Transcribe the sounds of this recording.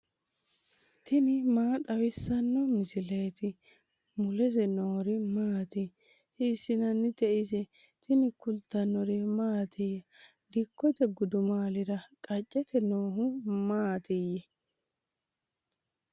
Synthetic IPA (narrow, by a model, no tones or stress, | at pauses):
t̪ɪnɪmaːt̪ʼɐwɪsːɐnːɔmɪsɪlɛjt̪ɪ | mʊlɛsɛnoːɾɪmaːt̪ɪ | hɪsːɪnɐnːɪt̪ɛʔɪsɛ | t̪ɪnɪkʊlt̪ːɐnːɔɾɛmaːt̪ʰɪjɐ | d̪ɪkːɔt̪ɛɡʊd̪ʊmaːlɪɾɐkʼɐt͡ʃʼːɛt̪ʰɛnoːɦʊmaːt̪ɪjːɛ